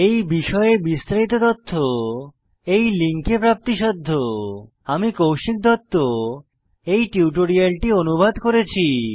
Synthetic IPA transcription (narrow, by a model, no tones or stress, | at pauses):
ejbiʃɔeebist̪ɾait̪ot̪ot̪ʰːo | ejliŋkepɾap̚t̪iʃɔd̪ʱːo | amikowʃik̚d̪ɔt̪ːo | ejʈiuʈoɾialʈionubʱad̪koɾet͡ɕʰi